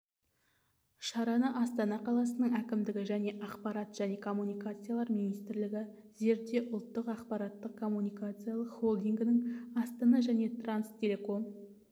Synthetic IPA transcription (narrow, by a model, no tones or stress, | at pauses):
ʃɑɾɑnəʔɑst̪ɑnɑqʰɑlˠɑsənəɴækʲɪmd̪ɪɡʲɪʒæne̞ʔɑqpɑɾɑt̪ʒ̥æne̞kʰo̞mːunijkat̪sɨjalˠɑɾmijnijst̪ɪɾlɪɡʲɪ | ze̞ɾd̪e̞ʔʊlˠt̪ːəqɑqpɑɾɑt̪ːəq̚kʰo̞mːunijkat̪sɨjalˠəqχolˠd̪iŋɡʲɪnɪŋɑst̪ɑnɑʒæne̞t̪ranst̪ʰʲe̞le̞ko̞n